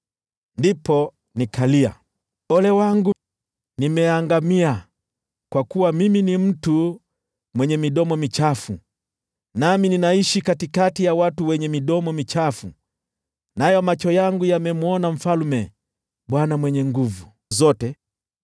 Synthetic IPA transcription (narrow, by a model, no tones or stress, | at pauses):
ndipɔ | nikalia̰ | ɔlɛwaŋɡu | nimɛaŋɡamia | kwakuwamiminim̩tu | mwɛɲɛmiɗɔmɔmit͡ʃafu | namininaiʃikatikatijawatuwɛɲɛmiɗɔmɔmit͡ʃafu | najɔmat͡ʃɔjaŋɡujamɛmuɔnam̩falmɛ | ɓwanamwɛɲɛŋɡuvu | zɔtɛ